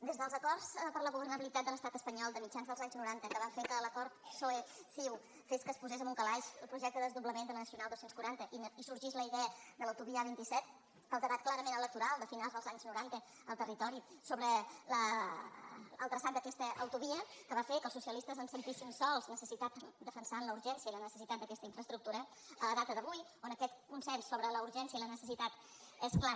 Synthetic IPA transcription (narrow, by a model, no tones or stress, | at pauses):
d̪ezðəlˠzəkɔrspəɾləɣuβərnəβilit̪at̪d̪ələst̪at̪əspəɲɔlˠd̪əmid͡ʒanzðəlˠzaɲznuɾant̪əkəβafekələkɔɾt̪soefiw | feskəspuzez̬əmuŋkəlaʃəlˠpɾuʒɛk̚t̪əðəəzðuβləmend̪ənəsiunalˠd̪owsenskuɾant̪əʔinisuɾʒizləiðɛəd̪ələwt̪uβiəəβint̪isɛt̪̚ | kəlˠd̪əβat̪̚klaɾəmenələk̚t̪uɾalˠd̪əfinalˠzðəlˠzaɲznuɾant̪ə | əlˠt̪ərit̪ɔɾisoβɾələ | lˠt̪ɾəsant̪d̪əkɛst̪əʔəwt̪uβiəkəβafekəlˠsusiəlist̪əzənsənt̪isinsɔlˠznəsəsit̪at̪d̪əfənsanləuɾʒɛnsiəilənəsə̥sit̪at̪̚d̪əkɛst̪əiɱfɾəst̪ɾuk̚t̪uɾə | ələðat̪əðəβuj | onəkɛt̪kunsɛpt̪soβɾələuɾʒɛnsiəilənəsəsit̪at̪ | ɛskla